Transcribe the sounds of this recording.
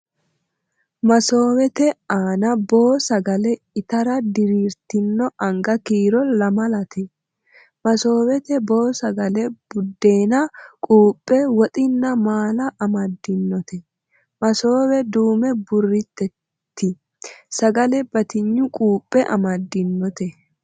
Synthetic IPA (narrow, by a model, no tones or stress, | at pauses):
mɐso̞ːwɛt̪ɛaːnɐbo̞ːsɐɡɐlɛ | ɪt̪ɐɾɐd̪ɪɾiːɾt̪ɪnːɔʔɐŋɡɐkiːɾɔlɐmɐlɐt̪ʰɛ | mɐso̞ːwɛt̪ɛbo̞ːsɐɡɐlɛb̥ʊd̪ːe̞ːnɐkʼuːpʼːɛwɔt̪ʼɪnːɐmaːlɐʔːmɐd̪ːɪnːɔt̪ɛ | mɐso̞ːwɛd̪uːmɛbʊrːɪt̪ːɛ | t̪ʰːɪ | sɐɡɐlɛbɐt̪ɪɲːʊkʼuːpʼːɛʔɐ̰mɐd̪ːɪnːɔt̪ɛ